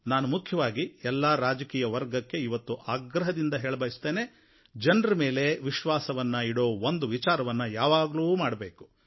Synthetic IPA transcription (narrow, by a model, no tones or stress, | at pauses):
naːnumukʰjɐʋaːɡiɛlːaɾaːd͡ʒɐkiːjɐʋɐɾɡɐkːe̞iʋɐt̪ːuʔaːɡɾɐɦɐd̪ind̪ɐɦeːɭbɐjist̪eːne | d͡ʒɐnɾɐme̞ːle̞ʋiʃʋaːsɐʋɐnːɐiɽo̞ːond̪uʋit͡ʃaːɾɐʋɐnːɐjaːʋaːɡɐluːmaːɽɐbe̞ːku̥